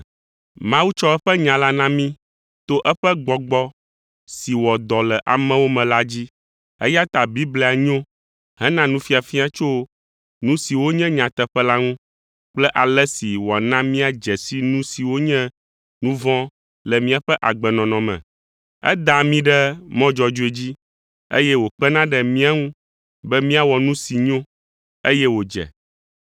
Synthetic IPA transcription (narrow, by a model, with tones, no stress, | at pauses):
mã˦wu˦t͡ʃɔ˦ɛ˦ɸɛ˦ɲã˨la˦nã˦mĩ˦ | t̪o˦ʔɛ˦ɸɛ˦ɡ͡bɔ˨ɡ͡bɔ˦ | si˨wɔ˨d̪ɔ˨lɛ˨ʔa˨mɛ̃˦wo˦mɛ̃˨la˦d͡ʑi˦ | ɛ̰˦ja˦t̪a˨bi˦blɛ˦˨a˨ɲõ˦ | ɦɛ˦nã˦nũ˦fi˦a˨fi˦a˦t͡ʃo˦ | nũ˦si˨wo˦ɲɛ̃˦ɲã˨t̪ɛ˨ɸɛ˦la˦ŋũ˦ | k͡plɛ˦ʔa˨lɛ˦si˨wɔ˨nã˦mĩ˦a˨d͡ʒɛ˨si˦nũ˦si˨wo˦ɲɛ̃˦ | nũ˦vɔ̃˦ | lɛ˨mĩ˦a˨ɸɛ˦ʔa˨ɡ͡bɛ˨nɔ̃˨nɔ̃˨mɛ̰̃˨ | ɛ̰˦d̪a˨mĩ˦ɖɛ˦mɔ̃˦d͡ʒɔ˨d͡ʒu˦e˦˨d͡ʑi˦ | ḛ˦jɛ˦wo˨k͡pɛ˦nã˦ɖɛ˨mĩ˦a˦ŋũ˦ | bɛ˦mĩ˦a˦wɔ˨nũ˦si˨ɲõ˦ | e˦jɛ˦wo˨d͡ʒɛ̰˨